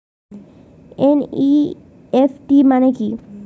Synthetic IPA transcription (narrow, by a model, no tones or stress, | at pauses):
eni | efʈimaneki